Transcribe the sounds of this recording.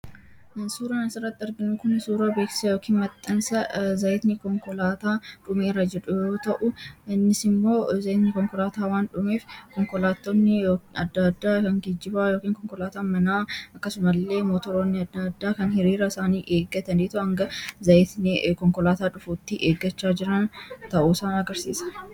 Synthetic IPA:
suːɾaːnɐsɪrːɐt̪ːɪɐɾɡɪnʊkʊnsuːɾaːbeːksɪ̥sɐjo̞ːkʰiːnmɐt̪ʼːɐnsɐzɐɪt̪nɪkɔŋkɔlaːt̪aːᶑʊmeːrːɐd͡ʒɛᶑʊjoːt̪ɐʔʊɪnːɪsɪmːo̞ːzɐʔɪt̪nɪkɔŋkɔlaːt̪aːwaːnᶑʊmeːfkɔŋkɔlaːt̪ːonːɪjoɐd̪ːad̪ːaːkɐŋɡɪd͡ʒːɪbaːjo̞ːkiːŋkɔŋkɔlaːt̪aːmɐnaːɐkːɐsʊmɐlːe̞ːmoːt̪ɔɾoːnːɪɐd̪ːad̪ːaːkɐnhɪɾiːɾɐɪsaːniːʔeːɡɐt̪ɐniːt̪ʊɐŋɡɐzɐʔɪt̪nɪkɔŋkɔlaːt̪aːᶑʊfuːt̪ːɪʔeːɡːɐt͡ʃːaːd͡ʒɪɾɐnt̪ɐʔuːsɐːnɐɡɐɾsiːsɐ̥

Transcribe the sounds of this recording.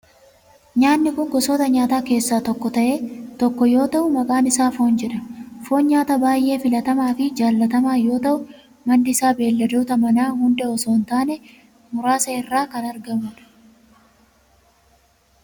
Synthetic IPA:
ɲaːnːɪkʊŋɡɔsoːt̪ɐɲaːt̪aːke̞ːsːaːt̪ɔkːɔt̪ɐʔe̞ːt̪ɔkːɔjo̞ːt̪ɐʔʊmɐkʼaːnɪsaːfo̞ːnd͡ʒɛᶑɐfo̞ːnɲaːt̪ɐbaːjʔe̞ːfɪlɐt̪ɐmaːfɪd͡ʒaːlːɐt̪ɐmaːjo̞ːt̪ɐʔʊ | mɐnːɪɪsaːbe̞ːlːɐd̪uːt̪ɐmɐnaːhʊnd̪ɛɔsoːnt̪aːnɛ | mʊɾaːsɐɪrːaːkɐnɐɾɡɐmʊᶑɐ̥

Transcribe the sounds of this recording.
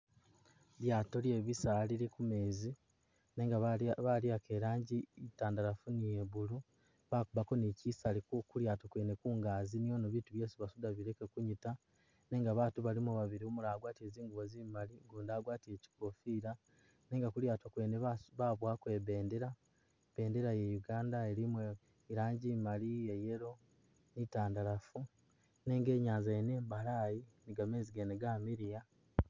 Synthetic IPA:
ljaːto̞lje̞βisaːliɾekume̞ːzi | neːŋɡaβaljake̞ɾaːɲɟiitaːndaɾafunije̞βulu | βakuβako̞nicisalikuljaːtokwe̞ːnekuːŋɡaːzinijo̞noβituβje̞ːsuβasudaβiɾe̞kekuɲita | ne̞ːŋɡaβaːtuβalimuβaβiɾiomulaːɡwaːtie̞ːziːŋɡuβoziːβimaliɡuːndaːɡwaːtie̞ci̥ko̞fiːɾa | ne̞ːŋɡakuljaːtokwe̞ːneββaβwakwe̞βe̞ːndeɾa | β̥e̞ːndeɾaje̞juɡaːndaeɾimwe | iɾaːɲɟimalieje̞ɾo̞ | nitaːndaɾafu | ne̞ːŋɡe̞ːɲaːnzajene̞ːmbalaːjiniɡame̞ːziɡeneɡaːmiɾija

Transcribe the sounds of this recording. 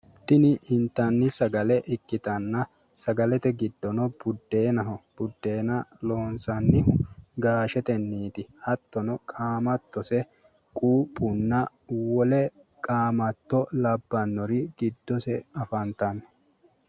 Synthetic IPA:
t̪ːɪnɪɪnt̪ːɐnːɪsɐɡɐlɛʔɪkːɪt̪ɐnːɐ | sɐɡɐlɛt̪ɛɡɪd̪ːɔnɔb̥ʊd̪ːe̞ːnɐɦɔb̥ʊd̪ːe̞ːnɐloːnsɐnːɪɦʊɡaːʃɛt̪ɛnːiːt̪ɪhɐt̪ːɔnɔkʼaːmɐt̪ːɔsɛ | kʼuːpʼːʊnːɐ | wɔlɛ | kʼaːmɐt̪ːɔlɐbːɐnːɔɾɪɡ̥ɪd̪ːɔsɛɐfɐnt̪ɐnː

